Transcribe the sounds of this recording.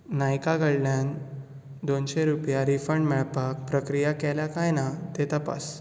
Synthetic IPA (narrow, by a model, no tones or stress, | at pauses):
najkaɡəɽljan | d̪onɕeɾupjaɾifəɳɖmɛɭpak̚pɾəkɾijakɛljakajnat̪et̪əpa̰s